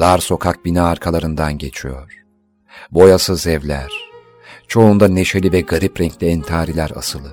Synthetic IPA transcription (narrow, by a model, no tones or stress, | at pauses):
d̪̥aɾso̞kʰak̚binaːɾkʰalˠaɾɯnd̪anɟe̞t͡ʃʰijo̞̰ɾ̥ | bo̞jasɯzɛvlʲæ̰ɾ̥ | t͡ʃʰo̞und̪ane̞ʃe̞lʲivɛɡaɾipɾɛɲclʲejænt̪ʰaːɾilʲæɾa̰sɯlˠɯ